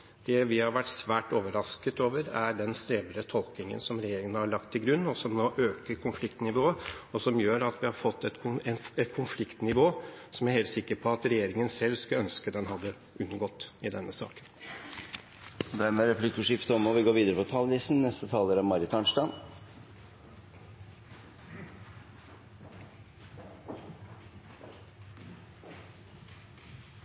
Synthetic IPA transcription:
d̪̥ɛʋɪhɑɾʋæʈːsʋæːʈoːʋəɾɑskət̪oːʋəɾæɖɛnst̪ɾeːʋəɾət̪ʰɔlˠknɪŋə̰nsɔmɾɛjeːɾɪŋənəhɑɭɑk̚t̪ʰːɪɡɾʉnːɔsɔmnoːʔøːkəɾkʰʊnflɪkt̪nɪʋoːəɔsɔmjøːɾɑt̪ʋɪhɑɾfɔt̪ʰːɛt̪kʰʊɛnɛt̪kʰʊnflɪkt̪nɪʋoːsɔmæɾheːlt̪sɪkːəɾpʰɔɑt̪ɾɛjeːɾɪŋənsɛlskɑœnskəd̪ɛnɦɑd̪ːə | ʔʉnːəɡɔt̪ːɪd̪ɛnːəsɑ̰ːkə̥n | d̪æɾmɛɾɛpʰlɪkːɔʂɪft̪əɔmɔʋɪɡoːʋiːd̪əɾəpɔt̪ʰɑlʋiːsn̩nɛst̪ət̪ʰɑːləɾæmɑɾɪt̪ʰɑnʂʈɑ

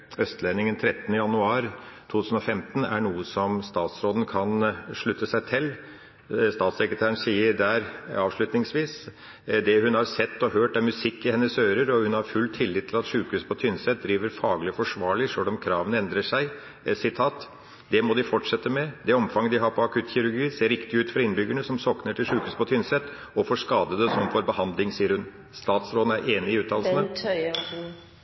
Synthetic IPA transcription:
œst̪lɛnɪŋənt̪ʰɾɛt̪ːənəjɑnʉɑːɾt̪ʰuːʉːsn̩ɔfɛmt̪ənæ̰ɳuːəsɔmst̪ɑːt̪sɾoːd̪ən̩kʰɑnʂɭʉt̪ːəsæɪt̪ʰɪlː | st̪ɑːt̪sɛkɾət̪ʰæːɾəɳn̩siːəɾd̪æːɾɑːʋʂɭʉt̪nɪŋsʋiːs | d̪ɛhʉnhɑɾsɛt̪ːɔhøːʈæɾmʉsɪkːɪhɛnːəsøːɾəɾɔhʉnhɑɾfʉlːt̪ʰɪlːɪt̪ʰːɪlɑt̪ʂʉːkhʉːspʰɔt̪ʰʏnsɛt̪̚d̪ɾiːʋəɾfɑːɡlɪɔfɔʂʋɑːɭɪʂølɔmkʰɾɑːʋənɛnd̪ɾəʂæɪ | sɪt̪ʰɑːt̪ | d̪ɛmɔd̪ɪfɔʈʂɛt̪ːəmɛd̪ɛɔmfɑŋːəd̪ɪɦɑɾpʰɔɑkʰʉt̪ːçɪɾʉɾɡiːseːɾːɪkt̪ɪʉːt̪fɔɾɪnbʏɡəɳəsɔmsɔknəʈʰɪlʂʉːkʉːspɔt̪ʰʏnsɛt̪ː | ɔfoːʂkɑːd̪əd̪əsɔmfɔɾbəhɑnd̪lɪŋsiːəɾhʉn | st̪ɑːt̪sɾoːd̪n̩æɾʔeːnɪɪʉːt̪ʰɑːlsnə

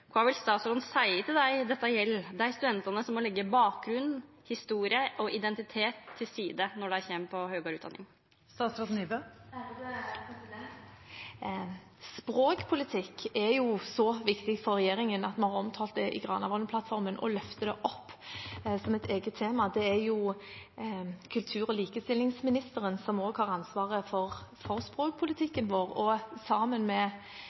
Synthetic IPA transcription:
kʰɑʋɪlst̪ɑːt̪sɾɔd̪nsæɪət̪ɪld̪æɪd̪ɛt̪ːɑjɛlːd̪ææɪst̪ʉd̪ɛnt̪ɑnəsɔmːɔlɛɡːəbɑːk̚ɡɾʉnː | hɪst̪uːɾɪəʔɔʔɪd̪ɛnt̪ɪt̪ʰeːt̪ʰːɪlsiːd̪ənɔɖɛæçeːmpʰɔhœːɡɑːɾʉːt̪d̪ɑ̰nːɪ̰ŋ | st̪ɑːt̪sɾɔd̪niːbø | spɾoːkpʰʊlɪt̪ʰɪkːɛɾjʊsɔʋɪkt̪ɪɡfɔɾːɛjeːɾɪŋənɑt̪mɑnhɑʁɔmt̪ʰɑːlt̪̚d̪ɛʔɪ̰ɡʁɑːnɑʋɔnəpʰlɑt̪fɔɾmənʔɔ̰lœft̪əd̪ɛʔɔpːsɔmɛt̪ʰeːɡət̪ʰːeːmɑd̪ɛæɾjʊ | kʰʉlt̪ʰʉːɾɔliːkəst̪ɪlːɪŋsmɪnɪst̪əɾənsɔmoːɡhɑʁɑnsʋɑːʁəfɔɾfɔɾspʁoːk̚pʰʊlɪt̪ʰɪkːənʋoːʁɔsɑːmənmɛ

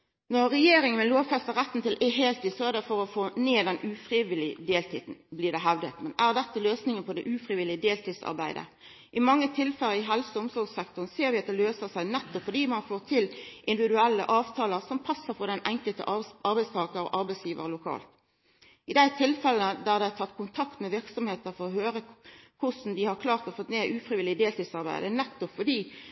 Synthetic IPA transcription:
nɔʁːɛjeːɾɪŋənmɛloːʋfɛst̪əʁæt̪ːn̩t̪ɪlʔeɦeːlt̪ɪːsɔɛʁd̪ɛfɔɾɔfoːneːd̪ɛnʔʉːfʁɪʋɪlɪd̪eːlt̪ʰiːd̪n̩bliːd̪ɛɦæʋd̪ət̪mɛnʔæːʁd̪ɛt̪ːəløːsnɪŋənpʰɔd̪ɛʔʉːfʁɪʋɪlɪəd̪eːlt̪iːsɑ̰ʁbæ̰ɪd̪ə̰ | ʔɪmɑŋːət̪ʰɪlfɛlːəɪɦɛlsəʊmsɔʁɡsɛkt̪ʊʁnseːɾʋɪɑt̪̚d̪ɛløːsəsæɪnɛt̪ːɔpfɔʁd̪iːmɑnfoːʁt̪ʰɪlʔɪnd̪ɪʋɪd̪ʉælːə̰ʔɑːʋt̪ʰɑːləʁsɔmpʰɑsːəʁpʰɔʁd̪ɛnʔæŋkəlt̪ə̰ʔʔɑɾbæɪst̪ʰɑːkəɾɔ̰ʔɑɾbæɪsjiːʋə̰ʁlʊkʰɑ̰ːlt̪ | ɪd̪æɪt̪ʰɪlfɛlənəd̪æʁd̪ɛɪæt̪ʰɑt̪ːkʰʊnt̪ʰɑkt̪mɛʋɪʁksɔmheːt̪əɾfɔʁɔhøːɾəkʰʊsn̩d̪ɪhɑʁkʰlɑːʁt̪ɔfɔt̪neːʔʉːfɾɪʋɪlːɪəd̪eːlt̪iːd̪sɑʁbæ̰ɪd̪ənɛt̪ːɔpfɔd̪iː

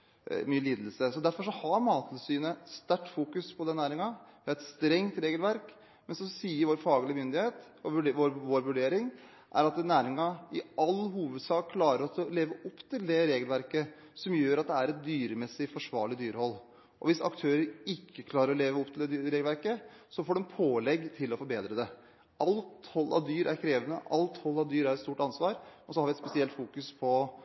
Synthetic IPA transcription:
myːəliːd̪l̩səsɔd̪æɾfɔʂɔhɑɾmɑːt̪ʰlsyːnəst̪æʈːfuːkʉspʰɔd̪ɛnnæːɾɪŋɑʋɪɛɪt̪st̪ɾɛŋt̪ɾeːɡəlʋæɾk | mɛnsɔsiːəɾʋoːɾfɑːɡəlɪmʏnd̪ɪheːt̪ | ɔʋʋoɾʋoːɾʋʉɖeːɾɪŋ | ʔæ̰ɾɑt̪næːɾɪŋɑɪʔɑlːɦuːʋəd̪sɑːkkʰːlɑːɾəɾɔsɔleːʋəʔɔpːt̪ʰɪld̪ɛɾeːɡəlʋæɾkə | sɔmjøːɾɑt̪̚d̪ɛæɾɛt̪̚d̪yːɾəmɛsːɪfɔʂʋɑːɭɪd̪yːɾhɔlː | ʔɔ̰ʋɪsɑ̰kt̪ʰøːɾəɾɪkʰːəkʰlɑːɾəɾɔleːʋəɔpt̪ʰɪlɛɾeːɡəlʋæɾkə | sɔfoːɖɛnpʰoːlɛɡːt̪ʰɪlːɔfɔɾbeːd̪ɾəd̪ɛ | ʔɑlt̪hɔlːʔɑ̰ʋd̪yːɾʔæɾkʰɾeːʋənəʔɑlt̪hɔlːɑʋd̪yːɾæɾɛt̪st̪uːʈɑnsʋɑːɾmɛnsɔhɑɾʋɪɛt̪spɛsɪɛlt̪fuːkʉspʰɔ

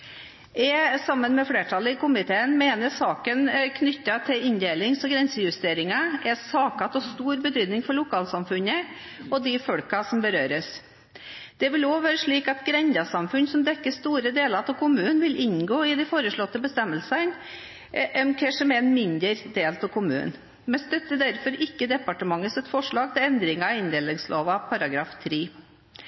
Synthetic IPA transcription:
ɛsɑmːənmɛfɽeːʈʰɑlːəɪkʊmɪt̪ʰeːənmeːnəʂɑːkənkʰnʏt̪ːɑt̪ʰɪlɪnd̪eːlɪŋsɔɡɾɛnsəjʉst̪eːɾɪŋɑɛsɑːkɑt̪ɔst̪uːɾbət̪ʰyːd̪nɪŋfɔɭʊkʰɑːlsɑmfʉnːə | ɔd̪ɪfɔɽkɑsɔmbəɾøːɾəs | d̪̥ɛʋɪloːʋæːɾəʂɭiːkɑt̪ɡɾɛnd̪ɑsɑmfʉnsɔmd̪ɛkːəst̪uːɾəd̪eːləɾt̪ʰɔkʰʊmʉːənʋɪlʔɪnɡoːɪd̪ɪfoːɾəʂɭɔt̪ːəbəst̪ɛmːəlsən | ʔɛmkʰeːʂɔmɛɛnmɪnd̪əɾd̪eːlt̪ʰɔkʰʊmʉ̰ːn | mɛst̪œt̪ːəd̪æɾfɔɾɪkːəd̪ɛpɑʈəmɑŋːəsɛt̪fɔʂɭɑːɡ̚t̪ʰɪlɛnd̪ɾɪŋɑɪnd̪eːlɪŋsloːʋɑpʰɑɾɑɡɾɑːft̪ʰɾiː

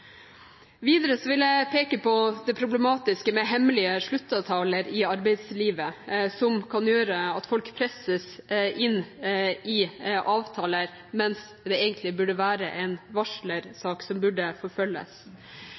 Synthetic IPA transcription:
ʋiːd̪əɾəsɔʋɪlæɪpʰeːkəpʰɔd̪ɛpʰɾʊblɛmɑːt̪ɪskəmɛɦɛmlɪəʂɭʉt̪ːɑʋt̪ʰɑːləɾɪɑɾbæɪd̪sliːʋəsɔmkʰɑnjøːɾəɑt̪fɔlkpʰɾɛsəsʔɪnː | ɪʔɑːʋt̪ʰɑːləɾ | mɛns | d̪ɛeːɡənt̪lɪbʉɖəʋæːɾə̰ʔɛnʋɑʂləɾsɑːksɔmbʉɖəfɔɾfœlːə̰s

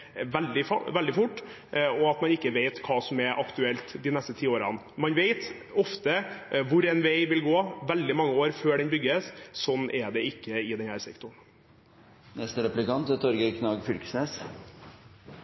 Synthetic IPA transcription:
ʋɛld̪ɪfʋɛld̪ɪfʊʈː | ɔɑt̪mɑnɪkːəʋeɪt̪kʰɑːsɔmɛʔɑkt̪ʉɛlt̪d̪ɪnɛst̪ət̪ʰiːoːɾɑ̰n | mɑnʋeɪt̪ | ɔft̪əʋʊɾɛɪnʋeɪʋɪlɡoːʋɛld̪ɪmɑŋːəoːɾføːɖɛnbʏɡːəssɔnːʔɛɖ̪ɛɪkːəɪd̪ɛnhæːɾsɛkt̪ʊɳ | nɛst̪əɾɛplɪkɑnt̪ət̪ʰɔɾɡəkʰnɑːɡfʏlkə̥sneːs

